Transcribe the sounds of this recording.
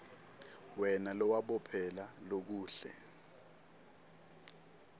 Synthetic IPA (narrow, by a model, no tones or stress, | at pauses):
wɛnalɔwaɓɔpʰɛlalok̬uːɬɛ̰